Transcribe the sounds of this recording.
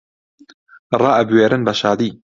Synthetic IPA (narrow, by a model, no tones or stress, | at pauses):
rˤɑːʔɐbweːɾɨnbɐʃaːd̪iː